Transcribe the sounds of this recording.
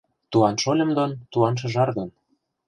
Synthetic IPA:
t̪uɑnʃolʲɤ̆md̪ont̪uɑnʃ̬ɤ̆ʒɑrd̪on

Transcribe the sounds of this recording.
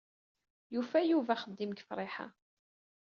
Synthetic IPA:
jufæjuvæχəd̪ːimɡə̥fɾˤɪħa̰

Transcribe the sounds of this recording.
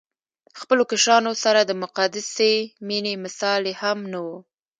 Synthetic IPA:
xpəlokaʃɑnosaɾad̪əmʊqad̪ɪseminemɪsɑlehamnawu

